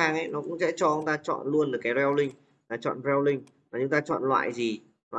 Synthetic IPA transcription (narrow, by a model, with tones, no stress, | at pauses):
aː˧ŋʔa˧˦jnɔ˨˦kʊ̰˧˥ŋ͡msɛ̰˧˥t͡ɕɔ˧ə˧ŋt̪aː˧t͡ɕɔ̰˧˨nlu˧ənɨː˨˩kaː˨˦jzɛ˧wlï˧ŋ̟ | laː˨˩t͡ɕɔ̰˧˨nzɛ˧wlï˧ŋ̟ | vaː˨˩ɲʊ˨˦ŋŋ͡mt̪aː˧t͡ɕɔ̰˧˨nlwa̰ː˧˨jzi˨˩ | nɔ˨